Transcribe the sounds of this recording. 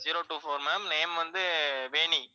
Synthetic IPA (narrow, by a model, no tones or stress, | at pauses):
d͡ʒiːɾoːʈuːfoːɾmɐːmneːmʋɐnd̪ɯʋeːɳi